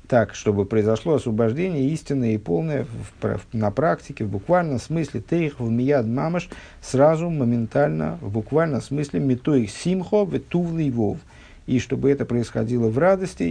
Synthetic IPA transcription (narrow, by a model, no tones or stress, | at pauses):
t̪akʂt̪o̞bɨpɾəɪzɐʂlˠoɐsvəbɐʐdʲenʲɪjəisʲtʲɪnːəjəipolˠnəjəpnɐpɾaktʲɪkʲɪvbʊkvalʲnəmsmɨsʲlʲɪt̪ɛxvmʲɪjad̪mamɨʂ | srazʊməmʲɪnt̪alʲnə̰vbʊkvalʲnəmsmɨsʲlʲɪmʲɪt̪oiksʲimχovɪt̪uvlˠɨjvov | iʂt̪o̞bɨɛt̪əpɾəɪsxɐdʲilˠəvrad̪əsʲtʲɪ